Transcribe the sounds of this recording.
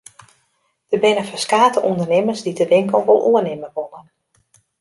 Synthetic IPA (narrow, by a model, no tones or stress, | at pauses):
d̥əbɪnəfɛskaːtəʔundərnɪməzdidəʋɪŋkəl̩ˠʋɔlˠʔuənɪməʋolən